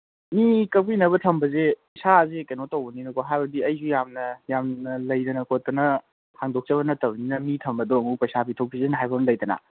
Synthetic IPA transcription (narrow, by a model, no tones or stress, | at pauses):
mikɐpinɐβɐtʰɐmbɐzepɐjsazekɐjnotɐwbɐninɐkʰoɦajbɐdiɐjzujamnɐjamnɐlɐjdɐnɐkʰotɐnɐ | pʰaŋdok̚t͡ʃɐβɐnɐtɐbninɐmitʰɐmbɐdoɐmupɐjsapʰitʰowkpʰizenɐɦajbɐnlɐjdɐna̰